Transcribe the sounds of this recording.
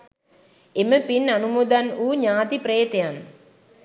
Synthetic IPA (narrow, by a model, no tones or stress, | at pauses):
eməpinɐnumuːd̪anuːɲaːt̪ipɾeːt̪ejan